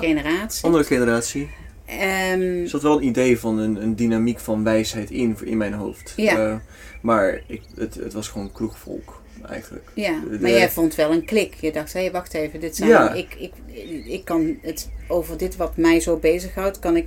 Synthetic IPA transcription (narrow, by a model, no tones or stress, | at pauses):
enəraːtsɑndərəχenəraːtsi | əsɑtʋɛlˠənidejvɑnənəndinamikfɑnʋɛjsɦɛjtɪnɪ̰nmɛjnɦo̰wftja | maːɹɪkətə̰tʋɑsχʋoːnkruχfɔ̰lˠk | ɛ̰jχəndələ̰kjamaːjɛjvontʋɛlˠənklɪkjədɑxthejʋɑxtejvədɪtsɛjaɪkɪkɪkːɑnətowvərdɪtʋɑtmɛjzowbejzəχɦɑwtkɑnɪk